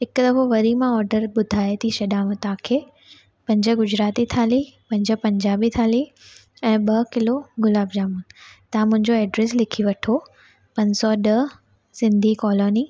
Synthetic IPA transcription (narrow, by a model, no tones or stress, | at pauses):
ɦɪkd̪ɐfʰoʋɐɾimãɔːɾɖəɾɓʊd̪ʱaːet̪ʰisɐɗãːmə̃t̪ãːkʰeː | pɐ̃ɲd͡ʑə̆ɡʊd͡ʑɾaːt̪it̪ʰaːlipɐ̃ɲd͡ʑə̆pɐ̃ɲd͡ʑaːbit̪ʰaːli | ɛ̃ːɓɐkɪloɡʊlaːbd͡ʑaːmunɪ̆t̪ɐãmʊ̃ɦɪ̃ɲd͡ʑoɛːɖɾes̬lɪkʰiʋɐʈʰo | pɐ̃ɲsɔɗɐ | sɪ̃nd̪ʱikɔːlɔːni